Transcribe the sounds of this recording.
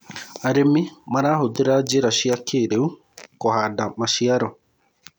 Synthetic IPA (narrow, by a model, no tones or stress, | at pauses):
aɾemimaɾaːɦod̪eɾad͡ʒeɾaʃiakʰeɾeu | kɔhadamaʃiaɾɔ